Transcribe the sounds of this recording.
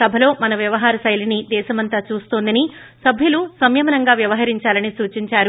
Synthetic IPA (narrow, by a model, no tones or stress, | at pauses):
sɐbʱɐlo̞ːmɐnɐʋjɐʋɐɦaːɾɐsɐjlinid̪ɛːʃɐmɐnt̪aːt͡ʃuːst̪oːnd̪ɐni | sɐbʱjulusɐmjɐmɐnɐŋɡaːʋjɐʋɐɦɐɾiɲt͡ʃaːlɐnisuːt͡ʃiɲt͡ʃaːɾu